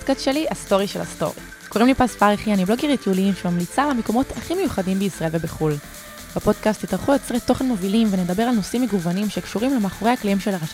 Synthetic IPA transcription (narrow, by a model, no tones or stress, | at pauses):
dkastʃe̞liasto̞ʁiʃela̰sto̞̰ʁḭ | koʁimlipasfaʁeχijanimbloɡeʁit̪uliimʃemamlit͡salemeko̞mo̞taχimejuχadimbeisʁaelve̞beχul | b̥apo̞dkast̪ːitaʁχujot͡sʁet̪ːo̞χe̞nmovilimvene̞d̪abeʁalno̞simːeɡuvanimʃekʃuʁimlemaːχoʁehaklaimʃelaʁa